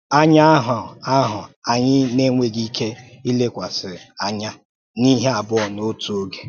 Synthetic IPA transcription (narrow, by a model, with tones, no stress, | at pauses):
a˦ɲa˦ɦʊ˨a˦ɦʊ˨a˨ɲɪ˦ne˦ŋʷe˨ɡi˦kʰe˦i˦le˦kʷa˨sɪ˨a˨ɲa˦ | ni˦ɦe˦a˨bʊ˦ɔ˨no˦tu˨o˦ɡe˨